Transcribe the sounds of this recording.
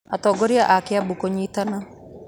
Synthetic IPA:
atɔːɡoɾiaʔakeabukoɲitana

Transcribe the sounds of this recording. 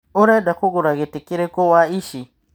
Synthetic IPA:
ʊɾɛdakuɡuɾaɣetikiɾekowaiʃi

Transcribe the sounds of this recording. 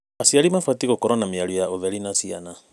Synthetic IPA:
asialimafwatiɣɔkɔɾɔnamialujaovɛlinasiana

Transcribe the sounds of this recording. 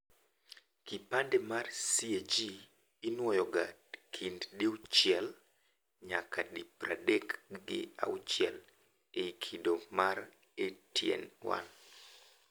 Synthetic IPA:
kipandɛmarsied͡ʒiː | nwɔjɔɡakʰinddiut͡ʃjɛl | ɲakadipra̰dɛkɡɪ̰a̰ut͡ʃjɛl | ekʰidomar | etjɛ̰nwa̰n

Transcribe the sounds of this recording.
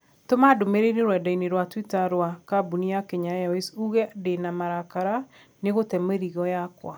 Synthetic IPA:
tomadomeɾeɾeɾwɛdaineɾwatwitaɾwakabuniakeɲajaisuɣɛdenamaɾakaɾa | neɣotɛmeɾiɣɔjakwa̰

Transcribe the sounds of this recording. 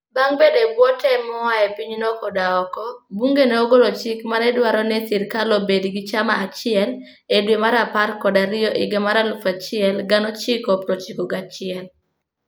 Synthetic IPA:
baŋbedebwɔtʰɛmɔwaɛpiɲnɔkɔdaɔkɔbuŋɡeneoɡolot͡ʃɪkmaɾɛdwaɾɔnɛsɪɾkalobediɡit͡ʃamaːt͡ʃɪɛl | edwemaɾaparkɔdaɾɪjɔʔɪɡemaɾalufat͡ʃɪɛlɡanɔt͡ʃɪkɔpɾɔt͡ʃikɔɡat͡ʃɪɛl

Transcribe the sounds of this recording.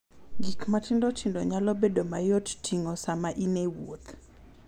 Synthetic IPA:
ɡikmatʰɪndɔtʰindɔɲalɔbedomajottʰiŋɔsamaʔinewot̪

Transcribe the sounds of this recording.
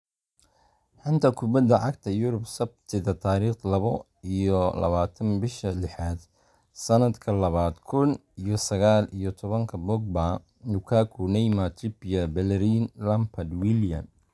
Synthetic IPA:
ħʊnt̪ʰɐkʰʊbɐd̪ɐʕɑɡt̪ʰɐjʊɾʊbsɐb̚t̪ʰɪðɐt̪ʰaːɾiːχlɐβɔ | ijɔlɐ̰βaːt̪ʰɐnbɪʃɐlɪħaːd̪ | sɐnɐd̪kʰɐlɐβaːd̪kʰʊnijɔsɐɣaːlijɔt̪ʰɔβɐŋkʰɐbɔɡ̚ba | nʊkʰaːkʰunɛjmat̪ʰɪpijɐbɛlɛɾinlɐmpʰɐd̪wiljɐ̰m

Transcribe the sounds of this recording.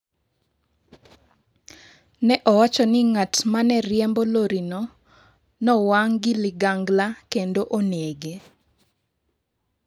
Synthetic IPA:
nɛʔɔwat͡ʃɔnɪŋatmanɛɾjɛmboloɾinɔ | nɔwaŋɡiliɡaŋɡlakendoʔoneɡe

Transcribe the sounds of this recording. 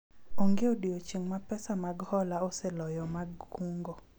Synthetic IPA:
oŋɡeodiot͡ʃiŋmapɛsamaɡhɔlaɔsɛlɔjɔmaɡuŋɡo

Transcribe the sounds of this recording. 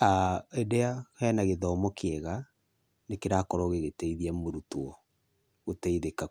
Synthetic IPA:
aedɛahɛːnaɣeðɔːmɔkeɛɣa | nekeɾakɔɾɔɣeɣetɛiðiɛmoɾutoɔ | ɣotɛiðeka

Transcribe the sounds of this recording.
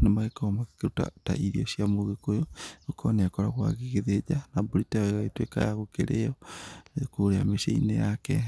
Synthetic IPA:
nemaɣekomakkeuta̰ta̰ʔiɾiosiamoɣekojookʰɔneakɔɾaɣwa̰ɣiɣeðed͡ʒanaboɾitaɣaetweka̰jaɣokeɾeɔekoɾeameʃḛinejakɛ

